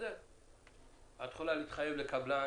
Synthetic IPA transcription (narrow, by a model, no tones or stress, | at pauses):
e | at̪χolaliːt̪χaje̞vlekabla